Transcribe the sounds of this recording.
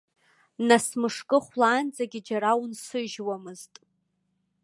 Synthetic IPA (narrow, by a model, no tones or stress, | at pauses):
nasmɨʂkʼɨχʷlaːnd͡zaɡʲɪd͡ʒaɾawnsɨʒwamɨztʼ